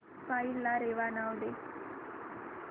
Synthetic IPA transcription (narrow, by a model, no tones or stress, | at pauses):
pailaɾeʋanawd̪e